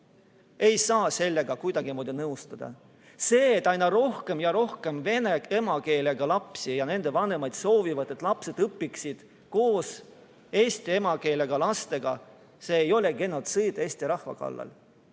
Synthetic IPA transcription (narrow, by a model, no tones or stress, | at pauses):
e̞jsɑːse̞lːe̞ɡ̥ɑkujd̪̥ɑɡ̥imoːd̪ʲiɑnɤwst̪ɑd̪̥ɑ̰ | se̞ːet̪ːˑɑjnɑɾo̞hke̞mjɑɾo̞hkemve̞nee̞mɑke̞ːleɡ̥ɑlɑpsijɑne̞nd̪̥e̞vɑne̞mɑjd̪̥so̞ːvivɑd̪et̪ːˑlɑpse̞d̪̥ɤpːˑiksid̪̥ | ko̞ːs | e̞ːsʲt̪ie̞mɑke̞ːleɡ̥ɑlɑst̪e̞ɡ̥ɑ | se̞ːjo̞leɡe̞nːot̪sɯjd̪eːsʲt̪iɾɑhvɑ̰kɑ̰lːɑ̰l